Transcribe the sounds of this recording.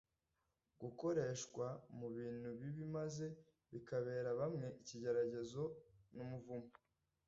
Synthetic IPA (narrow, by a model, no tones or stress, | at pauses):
ɡ̥uko̞ɾe̞ːʃkwamuβiːn̥huβiβimaze̞ | βikaβe̞ːɾaβamŋe̞ʔiciɟe̞ɾaɟe̞zo̞numuvumo